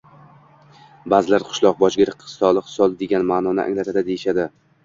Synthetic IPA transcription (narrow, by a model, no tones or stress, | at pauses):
baːzɪlaɾqʰʊ̥ʃlˠɒq̚bɒd͡ʒɡʲɪɾɪqʰːɨ̥st̪ɒlˠɨχsɒlˠd̪e̞ɡʲanmaːnɒnɪ̰ʔa̰ŋlat̪ʰad̪ad̪ejɪʃad̪ɪ